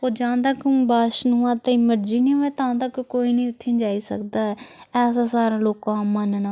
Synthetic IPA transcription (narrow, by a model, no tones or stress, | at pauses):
oːd͡ʒãːd̪əkbaːʃnuãːt̪ẽməɾd͡ʒiːnĩːɦoɛːt̪ãːd̪əkkoːiːnĩːʊt̪ʰːẽːd͡ʒaːiːsə̰kd̪aːɛːsãːsaːɾãːloːkãːmanna